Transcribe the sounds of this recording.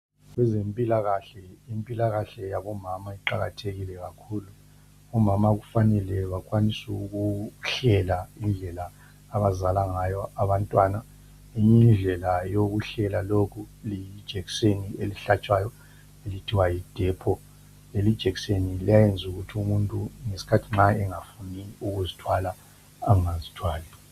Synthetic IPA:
ɣwɛzempʼilaɣaɬɛimpʼilaɣaɬɛjaβɔmamaiǃaɣatʰeɣilɛɣakʰuːluː | mamaɣufanɛlɛβakʰʼwanisuɣuɬɛlaind͡ɮʱɛlaː | βazalaŋajɔaβantʼwaːna | iɲind͡ɮʱɛlajoɣuɬɛlalokʰuliid̥ʒ̥ʱeɣisenieliɬat͡ʃʼwajɔ | elitʰiwajid̥ʱɛpʰɔ | elid̥ʒ̥ʱeɣisenilijajend͡zʱuɣutʰiumuntʼuŋesi̥kʰatʰiŋ͡ǁaɛŋafuniuɣuzitʰwalaː | ŋazitʰwaːlɛ

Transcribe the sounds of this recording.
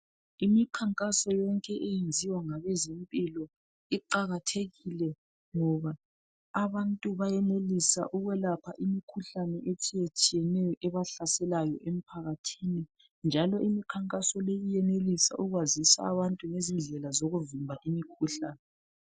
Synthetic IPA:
imikʰaŋkʼasɔjɔŋkʼɛʔejend͡zʱiwaŋaβɛzimpʼilɔ | iǃaɣatʰeɣilɛ | ŋɔβaː | βantʼuβajɛnelisa̰ʔuɣwɛlapʰa̰ʔimikʰuɬanɛʔetʰijet͡ʃʼijɛnɛjɔʔɛβaɬasɛlajɔʔem̩pʰaɣatʰini | nd͡ʒʱalɔʔimikʰaŋkʼasɔlejijɛnelisa̰ʔuɣwazisa̰ːβantʼuŋezinɮʱɛlazoɣuvimbʱaʔimikʰuɬaːnɛ

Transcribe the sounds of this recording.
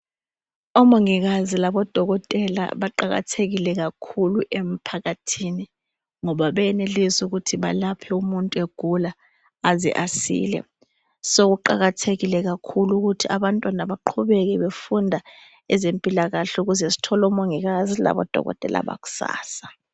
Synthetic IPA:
ɔmoŋiɣ̬azilaɓɔd̥ʱɔɣɔtʼɛla̰ɓaǃaɣa̰tʰeɣilɛɣ̬akʰuluʔem̩pʰaɣatʰini | ŋɔɓaɓɛɛnelizuɣ̬utʰiɓa̰lapʰɛumuntʼueɡ̥ʱulaː | zḭʔasḭːlɛ̰ | sok̬uǃaɣatʰeɣilɛɣ̬akʰuluɣ̬utʰiaɓantʼwanaɓaǃʰuɓɛk̬ɛɓefundʱa | ɛzempʼilaɣaɬɛuɣ̬uzesi̥tʰɔlɔmoŋiɣazila̰ɓɔ̰d̥ʱɔ̰ɣɔ̰tʼɛ̰la̰ɓa̰ku̥sa̰ːsḁ

